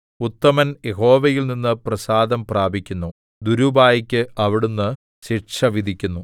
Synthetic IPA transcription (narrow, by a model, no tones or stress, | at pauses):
ut̪ːɐmɐnje̞ɦo̞ːʋɐjilninːɨprɐsaːd̪ɐmpraːbʱikʲːunːu | d̪uɾubaːjɐkʲːɨɐʋiɽunːɨ | ɕiʈʂɐʋid̪ʱikʲːunːu